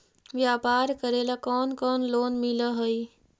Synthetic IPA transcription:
ʋjaːpaːɾkəɾeːlakɔːnkɔːnloːnmɪləɦoi

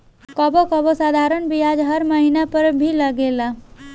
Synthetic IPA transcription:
kɔbokɔbɔsad̪ʱaɾənbijad͡ʒɦəɾməɦinapəɾbʱiləɡela

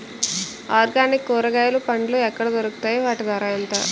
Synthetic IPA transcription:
aːɾɡaːnikːɔːɾɐɡaːjɐlupɐɳɖloːɛkːɐɽɐd̪oɾuku̥t̪aːjiʋaːʈid̪ɐɾaːjɐnt̪ɐ̰

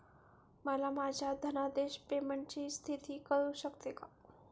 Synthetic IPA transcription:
malamaːd͡ʒad̪ʱɐnad̪eːʃpeməɳt͡ʃist̪ʰit̪ʰikəɾuʃəkt̪eka

